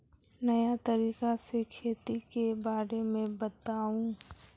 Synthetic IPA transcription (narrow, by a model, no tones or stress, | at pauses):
nɐjat̪əɾiːqasekʰeːt̪ikebaːɾemẽbət̪aːũ